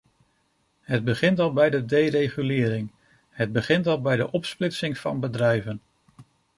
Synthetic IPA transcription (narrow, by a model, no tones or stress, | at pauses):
ɦəd̚bəχɪntɑlˠbɛjdədejrejχylɪːɾɪŋ | ɦəd̚bəχɪntɑlˠbɛjdəʔɔpsplɪtsɪŋv̥ɑ̰nbədrɛjvən